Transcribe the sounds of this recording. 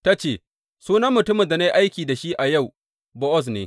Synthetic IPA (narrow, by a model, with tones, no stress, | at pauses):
ta˦t͡ʃeː˦˨ | suː˦nɐ˦mːʊ˨tʊ˦mɪ˨da˨na˦jʔa˦jkʲiː˨da˨ʃi˦ʔa˨ja˦˨w | bɔ˦ʔɔ˦s̬neː˨˦